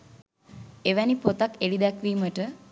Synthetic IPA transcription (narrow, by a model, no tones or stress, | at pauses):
eʋænipot̪akeɽid̪ækʋiːməʈə